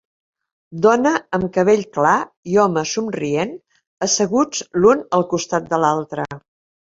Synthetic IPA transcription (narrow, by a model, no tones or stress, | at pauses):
d̪ɔnəəmkəβ̞eʎkla | iɔməsumrien | əsəɣud͡zlunəlˠkust̪at̪̚d̪əlalˠt̪ɾə